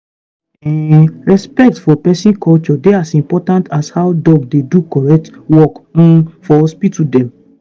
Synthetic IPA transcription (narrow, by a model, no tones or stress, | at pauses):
ɛɹɛspɛk̚tfɔpɛsĩnkʰɔlt͡ʃɔdeasĩmpɔtãntashawdɔb̚dedukɔɹɛk̚twɔk̩fɔspitudɛ̃m